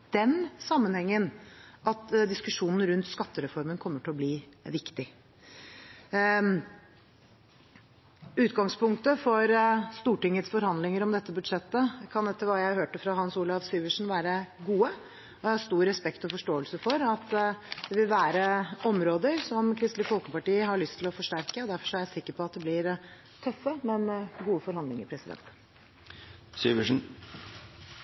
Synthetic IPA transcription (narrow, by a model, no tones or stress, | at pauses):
d̪̥ɛnsɑmːənhɛŋːənʔɑt̪d̪ɪskʉʂuːnn̩ɾʉnt̪skɑt̪ːəɾɛfɔɾmənkʰɔmːəʈʰɪlɔbliːʋɪkt̪ɪ | ʉːt̪ɡɑŋspʰʊŋkt̪əfɔɾst̪uːʈɪŋːət̪sfɔɾhɑnd̪lɪŋəɾɔmd̪ɛt̪ːəbʉd̪ʂɛt̪ːəkʰɑnɛt̪ːəɾʋɑːjæɪhøːʈəfɾɑhɑnsuːlɑʋsyːʋəʂn̩ʋæːɾəɡuːə | ɔæhɑst̪uːɾːɛspɛkt̪ɔfɔʂʈoːəlsəfɔɾɑt̪ːd̪ɛʋɪlʋæːɾəɔmɾoːd̪əɾsɔmkʰɾɪst̪ləfɔlkəpɑʈiːəɦɑɭʏst̪ʰɪlɔfɔʂʈæɾkəɔd̪æɾfɔʂɔæɾjæsɪkːəɾpɔɑt̪̚d̪ɛblɪɾ | t̪ʰœfːəmɛnɡuːəfɔɾhɑnd̪lɪŋə̰ɾpʰɾɛsɪd̪ɛ̰nt̪ | syːʋəʂn̩